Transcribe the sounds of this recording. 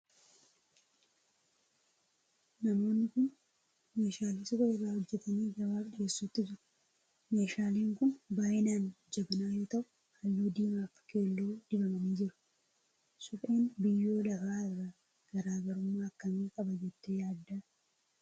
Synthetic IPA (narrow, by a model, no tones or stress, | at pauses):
nɐmo̞ːnːɪkʊn | me̞ːʃaːlɪsɪkʼɔɪrːaːhɔd͡ʒːɛt̪ɐniːɡɐbaːbᶑɪeːsːuːt̪ːɪd͡ʒɪɾʊ̥ | me̞ːʃaːliːŋkʊnbaːʔenaːnd͡ʒɐbɐnaːjoːt̪ɐʔʊ̥ | ɐjːuːd̪iːmaːfke̞ːlːoːᶑ̪ɪbɐmɐniːd͡ʒɪɾʊ̥ | sʊfʼe̞ːnbɪjːo̞ːlɐfaːɪrːa | ɡ̥ɐɾaːɡɐɾʊmːaːkːɐniːkʼɐbɐd͡ʒɛt̪ːɛjaːd̪ːaː